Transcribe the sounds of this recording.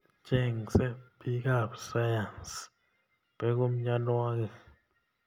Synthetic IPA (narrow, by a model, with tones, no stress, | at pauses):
t͡ʃʼɛ˦˨ŋsɛ˦bi˦k̬a˦˨psa˦ja˨ns | b̥ɛ˦k̬u˦m̩˦ɲa˦nwa˦k̬ɛ˨